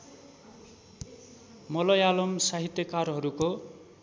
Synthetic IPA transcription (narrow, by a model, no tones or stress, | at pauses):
mʌlʌjalʌmsaɦit̪jʌkarɦʌɾuko